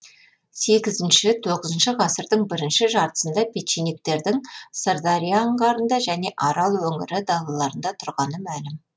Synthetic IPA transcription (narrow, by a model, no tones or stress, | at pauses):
se̞ɡʲɪzɪnʃɪt̪ʰo̞ʁəzənʃəʁɑsəɾd̪əɴbɪɾɪnʃɪʒɑɾt̪ə̥sənd̪ɑpʰʲet̪ʃinik̚t̪e̞ɾd̪ɪŋsəɾd̪ɑɾijaɴʁɑɾənd̪ɑʒæne̞ʔɑɾɑlˠwɵŋɪ̰ɾɪd̪ɑlˠɑlˠɑɾənd̪ɑt̪ʰʊɾʁɑnəmælɪm